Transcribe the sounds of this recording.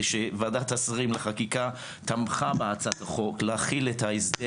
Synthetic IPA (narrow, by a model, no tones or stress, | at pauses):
ʃevad̪at̪asʁimleχakika | t̪amχabeat͡sat̪aχo̞klaaχilet̪aisd̪e